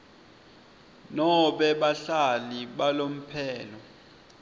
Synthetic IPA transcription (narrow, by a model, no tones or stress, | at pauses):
nɔɓɛɓaɬaliɓalom̩pʰɛːlɔ